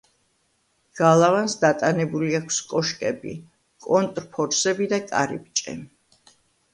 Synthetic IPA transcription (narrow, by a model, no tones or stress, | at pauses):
ɡ̥alˠavansd̪at̪ʼanɛbuliakʰskʼɔʃkʼɛbḭ | kʼɔnt̪ʼɾpʰɔɾsɛbid̪akʼa̰ɾḭp̚t͡ʃʼɛ̰